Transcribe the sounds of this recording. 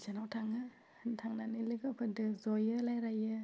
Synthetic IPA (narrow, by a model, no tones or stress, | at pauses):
zanawtʰaŋɯ | ntʰaŋnanilɯɡɯkʰɯdɯzɔjɯlajɾajɯ